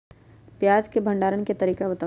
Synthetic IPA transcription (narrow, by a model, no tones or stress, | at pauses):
pjaːd͡ʒkebʱə̃ɳɖaːɾənket̪ɐɾiːkebɐt̪a